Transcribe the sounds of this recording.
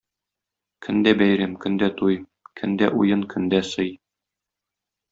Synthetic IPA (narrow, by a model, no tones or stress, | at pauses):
kʰɵ̆nd̪æbæjɾæmkɵ̆nd̪æt̪uj | kʰɵ̆nd̪æʔṵjɤŋkʰɵ̆nd̪æsɤj